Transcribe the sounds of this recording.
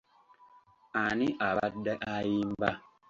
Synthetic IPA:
aniʔaadɛʔajimba

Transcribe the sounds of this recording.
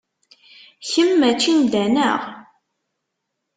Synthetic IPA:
çəmːæt͡ʃːind̪ænəʁ

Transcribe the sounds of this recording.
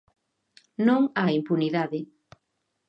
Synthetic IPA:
nõŋaimpuniðaðɪ

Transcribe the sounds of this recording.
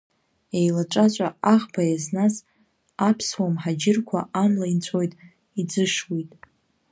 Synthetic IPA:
ejlaʈ͡ʂʷʼat͡ʃʷʼaaʁbʰajaznas | apʰswamħad͡ʒɪrkʷʰa̰ʔamlaint͡ɕʷʰojtʼ | id͡zɨʂwijtʼ

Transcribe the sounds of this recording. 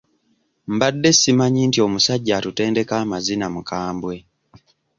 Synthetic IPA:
mbadːe̞simaɲintio̞musaɟːatute̞ːnde̞kamazinamukaːmbwe

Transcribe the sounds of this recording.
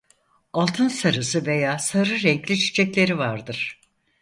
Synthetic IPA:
alˠt̪ʰɯnsaɾɯsɯve̞jaːsaɾɯɾɛɲclʲit͡ʃʰi̥t͡ʃʰɛclʲe̞ɾivaɾd̪ɯɾ̥

